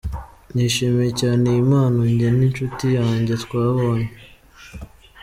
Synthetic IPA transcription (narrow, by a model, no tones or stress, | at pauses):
niːʃemejecaːnejimaːnoɲɟeninʃutijaːɲɟe̞tkwaːβo̞ːɲe